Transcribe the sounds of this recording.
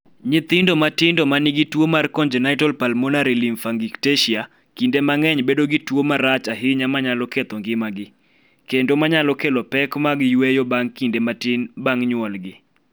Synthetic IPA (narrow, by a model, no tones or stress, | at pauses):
ɲɪt̪ɪndomatɪndɔmanɪɡɪtwomarkɔnd͡ʒɛnaɪtɔlpalmonaɾilimfaŋɡikteʃia | kindemaŋɛɲbedoɡɪtwomaɾat͡ʃaɦɪɲamaɲalɔket̪ɔŋɡɪmaɡɪ | kendomaɲalɔkelɔpɛkmaɡɪjwejɔbaŋkindematɪnbaŋɲwɔlɡɪ